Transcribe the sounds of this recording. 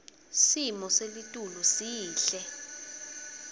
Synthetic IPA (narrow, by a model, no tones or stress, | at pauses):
simɔselitʼulusiːɬɛ